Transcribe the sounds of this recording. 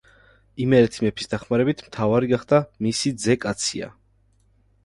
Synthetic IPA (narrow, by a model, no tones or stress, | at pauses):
imɛɛɾt̪ʰimɛpʰi̥sd̪aχmaɾɛbit̪ʰmt̪ʰavaɾiɡaχd̪amisid̪zɛkʼat̪sʰia̰